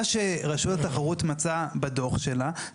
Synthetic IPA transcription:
ʃeʁaʃutat̪aχaʁut̪mat͡sabado̞χʃe̞la

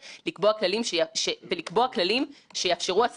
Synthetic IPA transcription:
likboaklalimʃeaʃevelikbo̞aklalimʃejaːfʃeʁuas

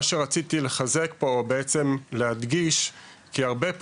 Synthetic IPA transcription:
ʃeʁat͡sit̪ile̞χaze̞kpo̞ːbeet͡se̞mlehad̪ɡiʃ | kiaʁbe̞p

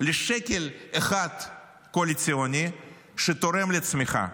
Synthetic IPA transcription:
leʃekʲeleχad̪̥ | koalʲit̪t͡sionʲi | ʃet̪oɾe̞mlet͡smiχa̰

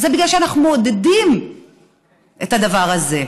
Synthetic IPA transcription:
zebiɡlalʃeanaχnumod̪ed̪im | ʔethad̪avaʁaze̞

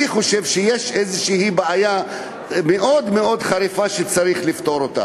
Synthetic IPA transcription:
iχo̞ʃe̞vʃejeʃezeʃihibeaja | meʔo̞d̪meo̞d̪χaɾifaʃet͡saʁiχlift̪o̞ɾot̪a̰

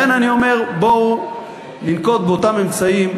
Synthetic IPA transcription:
enanio̞me̞ʁbou | ninko̞t̪̚beot̪ame̞mt͡saim

